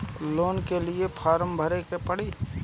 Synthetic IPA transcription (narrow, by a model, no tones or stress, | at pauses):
loːnkeliepʰaːɾəmbʱəɾekepəɽ̤iː